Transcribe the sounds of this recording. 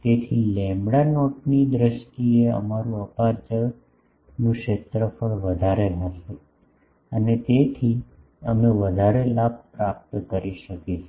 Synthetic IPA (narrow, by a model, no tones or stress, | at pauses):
t̪et̪ʰilɛ̃mbɽanoʈnid̪ɾəʃʈieə̰maɾũəpaɾd͡ʒə | nũkʃet̪ɾəpəɾʋəd̪ʱaɾeɦɦɛʃe | ənet̪et̪ʰi | əmeʋəd̪ʱaɾelab̚pɾap̚t̪kəɾiʃəket͡ʃʰ